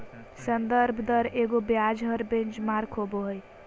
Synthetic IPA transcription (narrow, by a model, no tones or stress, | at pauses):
sənd̪əɾbʱd̪əɾeɡobjad͡ʒɦəɾbẽnt͡ʃmaɾkʰɦoboɦəj